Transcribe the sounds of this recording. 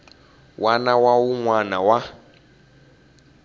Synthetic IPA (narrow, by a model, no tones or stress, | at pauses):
wʔanawawuŋwanawa